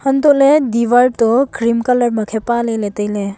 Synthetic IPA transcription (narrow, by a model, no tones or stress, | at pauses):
həntɔʔledibaɾtɔkɾimkaləɾmɐkʰepaleletəjle